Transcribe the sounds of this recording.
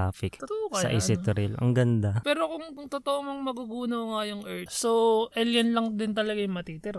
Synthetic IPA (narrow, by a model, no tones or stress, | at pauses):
aːfɪk̪t̪oʔokɐsɐ̰ʔɛsɪt̪ɾɪlʔɐ̰ŋɡɐnd̪apɛːɾo̞kʊŋʊŋt̪ot̪oʔomɐŋmɐɡuɡuːnoŋajʊŋʔɛɹt̪soʔɛljɐnlɐŋd̪ɪnt̪ɐlɐɡajʊŋmɐt̪iːt̪ɪɾ